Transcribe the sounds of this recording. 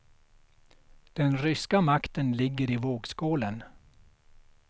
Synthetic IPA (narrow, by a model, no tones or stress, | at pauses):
d̪̥ɛnɾʏskamakt̪ənlɪɡːəɾɪvoːɡskoːlən